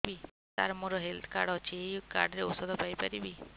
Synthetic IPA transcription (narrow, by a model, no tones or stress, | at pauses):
bi | t̪a̰ɾmoɾɔɦelt̪ʰkaɖɔt͡ʃʰiejka̰ɾɖɾeusɔd̪ʱɔpajpaɾibi